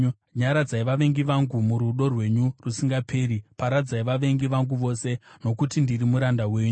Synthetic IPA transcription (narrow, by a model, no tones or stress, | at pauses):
ɲaɾad͡zaiʋaʋe̞ŋɡiʋaŋɡumuɾuɗo̞rwe̞ɲurusiŋɡapʰe̞ːɾipaɾad͡zaiʋaʋe̞ŋɡiʋaŋɡuʋo̞se̞no̞kutindirimuɾandawe̞ːɲu